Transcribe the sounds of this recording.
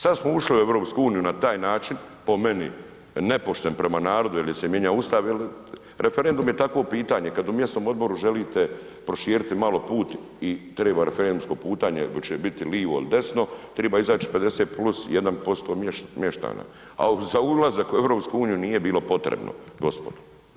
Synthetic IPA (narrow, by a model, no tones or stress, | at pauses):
sad̪smouʃliueʋɾoːpskuuːnijunat̪aːjnaːt͡ʃin | po̞me̞nḭ | ne̞po̞ʃt̪enpɾe̞manaːɾo̞d̪uiljsemje̞ɲaust̪aʋjel | ɾʔefeɾe̞nd̪umjet̪akʋo̞piːt̪aːɲe̞kad̪umjest̪noːmo̞d̪̚bo̞ɾuʒeliːt̪e | pɾoʃiːɾit̪imalo̞puːt̪ | it̪ɾeːbaɾefeɾend̪umsko̞puːt̪aːɲḛt͡ʃebit̪iliːʋoḭlid̪e̞sno̞t̪ɾe̞ːbaːizaːt͡ʃi̥ped̪e̞set̪̚plusjed̪anpo̞st̪o̞ːmjemjeʃt̪a̰ːna̰ | a̰uzaulˠazakue̞vɾopskuuːnijuniːje̞biːlo̞po̞t̪ɾḛbno̰ɡo̞spo̞d̪u̥